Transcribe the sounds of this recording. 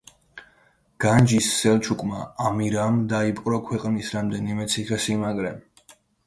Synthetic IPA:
ɡ̥and͡ʒisːɛlˠt͡ʃʰukʼmaːmiɾamd̪aipʼqʼɾɔkʰwɛqʼnisɾamd̪ɛnimɛt̪sʰiχɛsimaɡɾɛ

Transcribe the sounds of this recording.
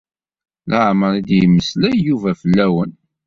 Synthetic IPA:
lʔəʕməɾˤid̪jəməslæjjuvæfəlːæwən

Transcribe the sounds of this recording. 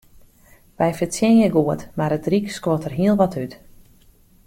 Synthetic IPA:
ʋɛjfəsjɛnjəɡuətmaɾətrikskwotʰərɦiəlˠʋɔtʰyt

